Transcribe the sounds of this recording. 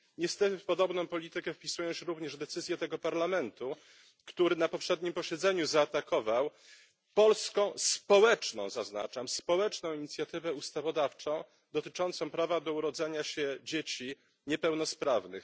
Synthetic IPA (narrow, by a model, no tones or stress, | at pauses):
ɲɛst̪ɛt̪ɘfpɔd̪ɔbnɔ̃w̃pɔlʲit̪ɘkɛfpʲisujɔ̃w̃ɕɛɾuvɲɛʐd̪ɛt̪sɘzʲjɛt̪ɛɡɔpaɾlamɛnt̪u | kt̪uɾɘnapɔpʂɛd̪̚ɲimpɔɕɛd̪zɛɲuzaːt̪akɔvaw | pɔlskɔ̃w̃spɔwɛt͡ʂnɔ̰̃w̃zazna̰t͡ʂamspɔwɛt͡ʂnɔ̃w̃iɲit̪sʲjat̪ɘvɛust̪avɔd̪aft͡ʂɔ̃w̃ | d̪ɔt̪ɘt͡ʂɔnt̪sɔ̃w̃pɾavad̪ɔuɾɔd̪zɛɲaɕɛd͡ʑet͡ɕi | ɲɛpɛwn̪ɔspɾavnɘ̰x